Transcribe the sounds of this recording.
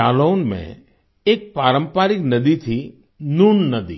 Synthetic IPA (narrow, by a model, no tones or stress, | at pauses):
alonmḛ̃ | ek̚paɾə̃mpaɾiknəd̪it̪ʰi | nunːəd̪ḭ